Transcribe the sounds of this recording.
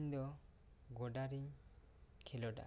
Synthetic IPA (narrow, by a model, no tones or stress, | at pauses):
ɲd̪ɔ | ɡɔɖaɾiɲ | kʰɛlɔɖa̰